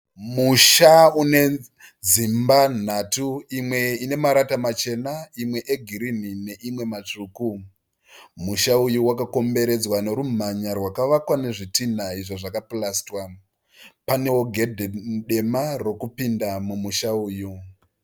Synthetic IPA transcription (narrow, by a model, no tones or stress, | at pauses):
muʃaune̞ | d͡zimban̤atuimwe̞ine̞maɾatamat͡ʃe̞naimwe̞ʔeɡʱiɾinine̞ʔimwe̞mat͡ʂuːku | muʃaujuwakako̞mbe̞ɾe̞d͡zwane̞ɾum̤aɲarwakaʋakwane̞ʐitinaiʐoʐakaplastwa | pane̞wo̞ɡʱe̞dʱeɗe̞maro̞kupindamumuʃauːju